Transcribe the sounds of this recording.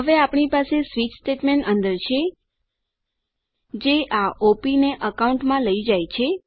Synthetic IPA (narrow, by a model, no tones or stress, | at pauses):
ɦəʋeapɳipasesʋit͡ʃsʈeʈmeɳʈə̃nd̪əɾt͡ʃʰe | d͡ʒeʔaʔopineʔəkauɳʈmãləid͡ʒajt͡ʃʰe